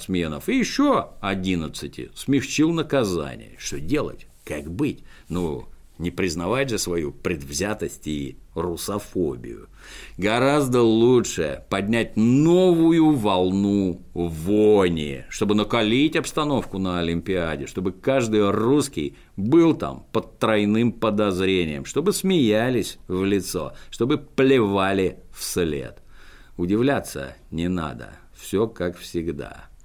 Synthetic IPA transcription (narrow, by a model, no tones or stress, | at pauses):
smʲe̞nə̰fɨjɪɕːoɐdʲinət̪sɨtʲɪ̰smʲɪxt͡ɕilˠnəkɐza̰nʲɪ̰jəʂt̪odʲe̞lˠə̰tʲ | kaɡbɨtʲno | nʲɪpɾʲɪznɐvatʲʐɨsvɐjupɾʲɪd̪vzʲat̪əsʲtʲirʊsɐfo̰bʲɪ̰jʊ̰ | ɡɐɾazd̪əlˠutʂɨ̰pɐdʲnʲætʲno̞vʊjʊvɐlˠnu | vonʲɪ̰ʂt̪o̞bɨnəkɐlʲitʲɐpst̪ɐno̞fkʊnəɐlʲɪmpʲɪadʲɪʂt̪o̞bɨkaʐd̪ɨjruskʲɪ̰j | bɨlˠt̪a̰mpətt̪ːɾɐjnɨmpəd̪ɐzɾʲenʲɪjə̰mʂt̪o̞bɨsmʲɪjælʲɪsʲvlʲɪt̪so̞̰ʂt̪o̞bɨplʲɪvalʲɪfslʲḛt̪ | ʊdʲɪvlʲat̪sːə̰ | nʲɪna̰d̪ə̰ | fsʲokakfsʲɪɡd̪a̰